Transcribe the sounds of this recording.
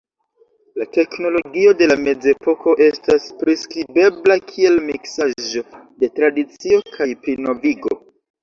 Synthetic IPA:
late̞kno̞lo̞ɡio̞de̞lame̞d͡ze̞po̞kʰo̞ʔe̞staspɾiskɾibe̞blakʰie̞lmiksaʒo̞de̞tɾadit͡sio̞kʰajpɾino̞viɡo̞

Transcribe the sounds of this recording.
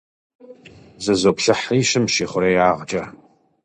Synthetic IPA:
zɨzoːpɬɐħiːʃɨmʃiːχʷʊɾejaːʁt͡ʃʼɐ

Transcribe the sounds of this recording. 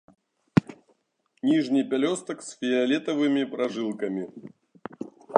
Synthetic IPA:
nʲiʐnʲɨjpʲɛlʲost̪ɐksʲfʲɪɐlʲɛt̪ɐvɨmʲipɾɐʐɨlˠkɐmʲi

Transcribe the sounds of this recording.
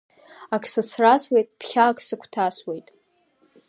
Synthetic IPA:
akʰsɨt͡sʰraswejtʼpʰχʲaːkʰʼsɨkʷʰtʰaswejtʼ

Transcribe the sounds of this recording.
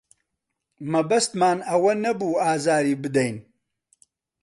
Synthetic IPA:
mɐbɐst̪maːnɐwɐnɐbuːaːzaːɾiːbɨd̪ɐjn

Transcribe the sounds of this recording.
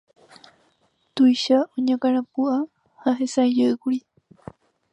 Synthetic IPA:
t̪ujʃaʔõɲãkaɾãpua | haɦesaed͡ʒeɨkuɾi

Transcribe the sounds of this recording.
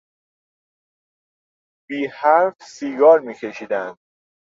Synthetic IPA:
b̥iːhæɾfsiːɡɒːɾmiːcʰe̞ʃiːd̪ænd̪̥̚

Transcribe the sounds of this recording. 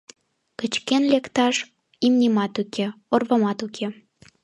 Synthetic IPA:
kət͡ɕkenlekt̪ɑʃ | imnʲemɑt̪ukʰeorβəmɑt̪ukʰe

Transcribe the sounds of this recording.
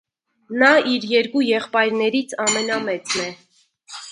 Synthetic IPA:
nɑiɾjɛɾkujɛχpɑjɾnɛɾit͡sʰɑmɛnɑmɛt͡snɛ

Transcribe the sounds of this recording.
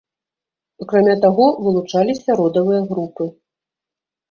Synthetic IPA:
akɾamʲat̪aɣɔvɨlˠut͡ʂalʲisʲɐɾɔd̪ɐvɨjɐɣɾupɨ

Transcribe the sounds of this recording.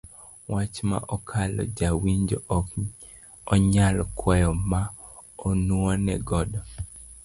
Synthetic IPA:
wat͡ʃma̰ʔɔkʰalɔ̰d͡ʒawiɲd͡ʒoʔɔk | ɔɲalɔkʰwɛjɔma | ɔnuonɛɡɔdɔ

